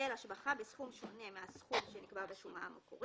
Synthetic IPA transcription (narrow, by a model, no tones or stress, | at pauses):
elaʃbaχabesχumʃo̞ne̞measχumʃenikbaʁbeʃumaamoko̰ʁ